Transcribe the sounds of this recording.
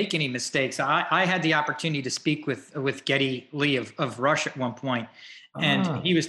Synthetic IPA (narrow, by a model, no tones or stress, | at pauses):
ɪkɛñimɨsteɪksaɪʔaɪɨd̪̚ðiɑpə˞tʰʉnɨɾiɾɨspikwɨðwɨðɡ̥ɛɾiliʌvʌvɹʌʃɨt̚wʌ̃npʰɔ̃ɪ̃nt̚ɨ̃niwʌz̥